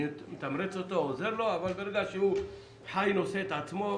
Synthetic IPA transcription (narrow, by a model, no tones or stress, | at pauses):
met̪amɾet͡sot̪oozeɾlo̞avalbeɾeɡaʃeu | ħajnoset̪ʕat͡smo̞